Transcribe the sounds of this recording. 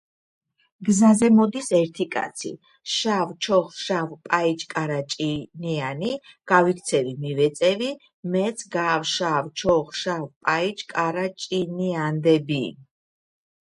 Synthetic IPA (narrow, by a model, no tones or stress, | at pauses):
ɡzazɛmɔd̪isɛɾt̪ʰikʼa̰t̪sʰḭ | ʃavt͡ʃʰɔχʃavpʼait͡ʃʼkʼaɾat͡ʃʼinianiɡ̥avikʰt̪sʰɛvimivɛt̪sʼɛvi | mɛt̪sʼʰɡavʃavt͡ʃʰɔχʃavpʼait͡ʃʼkʼaɾat͡ʃʼiniand̪ɛbi